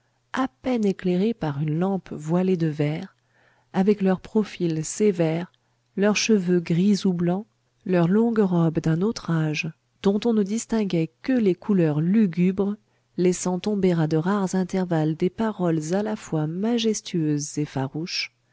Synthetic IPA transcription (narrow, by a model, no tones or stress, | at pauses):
apɛnekleʁepaʁynlɑ̃pvwaled̪əvɛʁ | avɛklœʁpχɔfilsevɛʁ | lœʁʃəvøɡʁizublɑ̃ | lœʁlɔ̃ɡʁɔbd̪ɛ̃not̪χaʒ | d̪̥ɔ̃t̪ɔ̃nəd̪ist̪ɛ̃ɡʲɛkəlekʰulœʁlyɡʲybʁ | lɛsɑ̃t̪ɔ̃beʁad̪əʁaʁzɛ̃t̪ɛʁvald̪epaʁɔlzalafwamaʒɛst̪yøzːefaʁuʃ